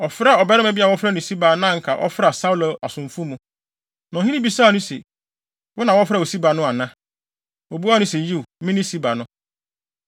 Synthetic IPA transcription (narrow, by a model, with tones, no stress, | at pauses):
ɔ˨fɾa˦˨ɔ˨bɛ˦ɾɪ̃˦mæ˨bi˦a˨wɔ˦fɾɛ˦nʊ̃˨si˦ba˨˦nã˦˨ŋ̩˨kʰa˨ʔɔ̰˦fɾa˨sa˦u˦lo˨a˨sʊ̃˨m˨fʊ˦mũ˦ | nã˨ɦĩ˦ĩ˦bi˨˦saː˦˨nʊ̃˦sḛ˨ | wɔ˦nã˨wɔ˦fɾa˦˨o˨si˦ba˨nʊ̃˦a˨nã˦ | o˨bu˦a˦nʊ̃˦se˨ji˦wmɪ̃˦nĩ˦si˦ba˨nʊ̃˦